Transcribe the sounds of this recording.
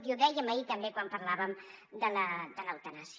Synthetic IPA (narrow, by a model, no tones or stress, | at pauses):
t̪iuðɛjəməit̪əmbekwampəɾlaβəmd̪ələd̪ələwt̪ənasi